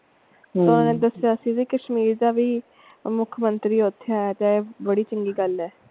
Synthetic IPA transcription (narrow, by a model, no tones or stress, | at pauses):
sõːnẽːd̪əsjaːəsĩːd͡ʒiːkəʃmiːɾd̪aːʋiː | mʊkʰmənt̪ɾiːʊt̪ʰːejaːɛːt̪ebəɽiːt͡ʃəŋɡiːɡəlɛː